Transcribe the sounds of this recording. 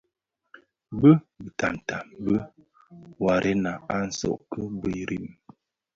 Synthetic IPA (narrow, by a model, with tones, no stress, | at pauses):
bə˦ | bə˨ta˨m˨ta˨mbə˦ | wa˨ɾʔe˦na˨a˦n̩˨sɔ̰˦˨ʔkə˦bə˦˨ɾi˦˨m